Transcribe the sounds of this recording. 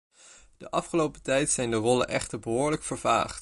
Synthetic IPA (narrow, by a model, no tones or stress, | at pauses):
d̥əʔɑfχəlowpətɛjtsɛjndərɔlə̰nʔɛ̰χtəɹbəɦʊːɹləkfəɹva̰ːχt